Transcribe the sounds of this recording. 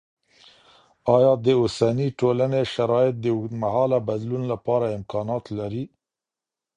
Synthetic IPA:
ɑjɑd̪əʊsaniʈolaneʃaɾɑjɪt̪̚d̪əmahɑlabad̪lunlapɑɾaɪmkɑnɑt̪laɾi

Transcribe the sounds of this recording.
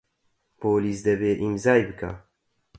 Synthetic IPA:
poːliːsd̪ɛbeːʔimzaːjbɨkʰa̰ː

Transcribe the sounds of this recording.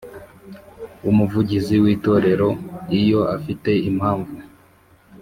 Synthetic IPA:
umuvuɟiziwiːto̞ːɾe̞ɾo̞ijo̞ʔafite̞im̥haːɱvu

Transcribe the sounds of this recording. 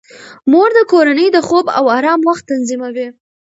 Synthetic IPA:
moɾd̪əkoɾanəjd̪əxoba̰wɑɾɑmwaxt̪ːanzimawi

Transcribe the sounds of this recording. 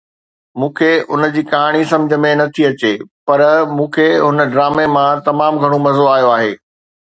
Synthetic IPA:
mũːkʰeʔʊnəd͡ʑiːkɐɦaːɽ̃isɐ̃md͡ʑʱə̆mẽnɐt̪ʰiɐt͡ɕepɐɾmũːkʰeɦʊnəɖɾaːmemãt̪ɐmaːmɡʱɐɽ̃omɐzoaːɦijoaːɦeː

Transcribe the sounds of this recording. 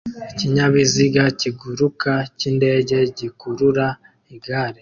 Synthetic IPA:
iciɲaβiziɡaciɡuɾukacinde̞ːɟe̞ɟikuɾuɾa | iɡaːɾe

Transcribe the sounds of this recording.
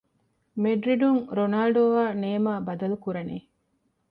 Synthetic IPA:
meɖɾiɖuŋɾonaːlɖoʋaːneːmaːbɐd̪ɐlukuɾɐneː

